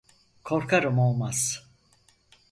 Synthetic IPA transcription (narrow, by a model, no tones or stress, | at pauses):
kʰoɾkʰaɾɯmo̞lˠmaz̥